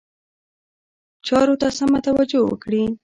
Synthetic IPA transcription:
t͡ʃɑɾot̪asamat̪awad͡ʒowə̰kɽi

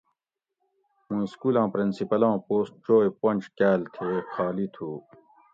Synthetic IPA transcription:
mũːiskuːlãːpɾinsipɐlãːpoːsʈ̚t͡ɕoːjpɐ̃nʲt͡ɕkaːlt̪ʰeːxʰaːlit̪ʰuː

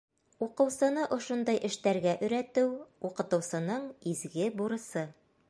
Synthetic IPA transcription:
uqɤ̆wsɤ̆nɤʔŏʃond̪ɑjʔɘ̆ʃt̪æɾɡæʔɵ̆ɾæt̪ɘwuqɤ̆t̪ɤ̆wsɤ̆nɤɴizɡɘbuɾɤ̆sɤ

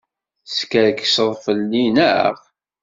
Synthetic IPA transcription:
skəɾkːsəðˤfəlːinæə̰ʁ

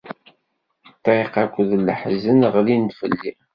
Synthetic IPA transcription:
t̪ʕiqakʷːðləħzənʁlinfə̰lːi

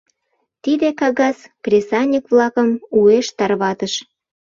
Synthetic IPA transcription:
t̪id̪ekɑɣɑskrʲesɑnʲikβlɑkəmueʃt̪ɑrβɑt̪əʃ

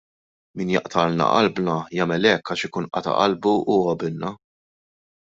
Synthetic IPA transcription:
miːnjɐ̰ʔt̪ʰɐlnɐ̰ʔɐ̰lbnɐjɐːmɛlɛkːɐʃɪkuːnʔɐ̰t̪ɐ̰ʔɐlbuuɐbɪnnɐ

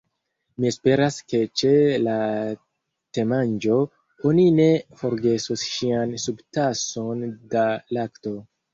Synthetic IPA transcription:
mie̞spe̞ɾaske̞t͡ʃe̞la | te̞mand͡ʒo̞ | o̞nine̞fo̞ɾɡe̞susʃiansubtaso̞ndalakto̞

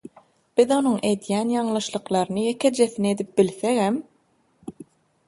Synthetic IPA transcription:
b̥iðo̞nuɴʔe̞d̪jæːnjɑɴlˠɯʃlˠɯqlˠɑɾɯnɯjekʰed͡ʒeθined̪ip̚bilθeɣem

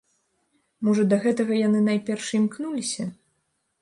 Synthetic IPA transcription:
mɔʐɐd̪ɐɣɛt̪ɐɣɐjanɨnajpʲɛrʂimknulʲisʲɐ

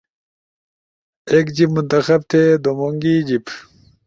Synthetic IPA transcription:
eːkd͡ʑimunt̪ɐxɐb̚t̪ʰed̪omoŋɡiːd͡ʑip

